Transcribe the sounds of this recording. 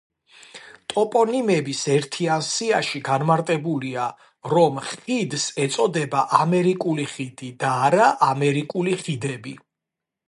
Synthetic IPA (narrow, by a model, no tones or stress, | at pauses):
t̪ʼɔpʼɔnimɛbisɛɾt̪ʰiansiaʃiɡanmaɾt̪ʼɛbulia | ɾɔmχid̪sɛt̪sʼɔd̪ɛbaʔamɛɾikʼuliχid̪̥id̪aːɾaʔamɛɾikʼuliχid̪ɛbi